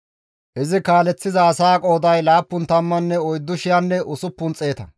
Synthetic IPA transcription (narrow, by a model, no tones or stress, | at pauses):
ʔɪzɪkaːlɛt͡sːɪzɐːsaːkʼo̞ːd̪ɐjlaːpːʊnt̪ɐmːɐnːɛɔjd̪ːʊʃɪjanːɛʔʊsʊpːʊnt͡sʼːe̞ːt̪ɐ